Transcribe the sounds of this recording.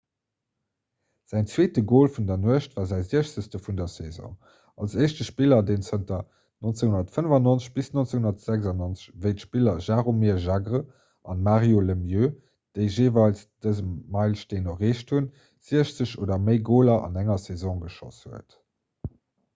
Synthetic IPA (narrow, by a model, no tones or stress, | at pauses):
z̥æɪnt͡sweːtəɡoːlfundɐnuəʃtvaːɐzæɪziəʃt͡səstəfundɐsɛzɔ̰̃ː | ɑlseɪʃtəʃpilɐdeːnt͡səntɐ | nont͡seŋɦundɐtfənəvɑnont͡sə̥ɕb̥isnont͡seŋhunɐtz̥æɡzɑnont͡sə̥ɕvəɪtəʃpilɐʒaːʁomiːʒaɡʁə | ʔɑnmaːʁjoləmjøː | d̥əɪʒeːvɑlsd̥əzəmːɑɪlʃteːnoʁeːʃtʰhun | z̥iəʃt͡səɕoːdɐməɪɡoːlɐʔɑ̰næŋɐsɛzɔ̃ŋɡəʃo̰shuət